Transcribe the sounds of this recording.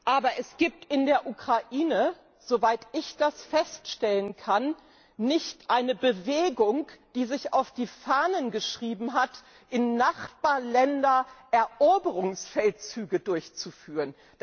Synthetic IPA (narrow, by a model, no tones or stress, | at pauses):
ʔaːbɐʔɛsɡ̥iːp̚tɪndeːɐʔukʁ̥aʔiːnə | z̥ovaɪtɪçd̥asfɛstʃtɛlənkʰanː | ɪçtʔaɪnəbəveːɡʊŋd̥iːzɪçaʊfd̥iːfaːnənɡəʃʁ̥iːbm̩ɦat | ʔɪnːaχb̥aːɐlɛndɐʔɛɐʔoːbəʁʊŋsfɛltt͡syːɡədʊɐçt͡sufyːʁən | d̥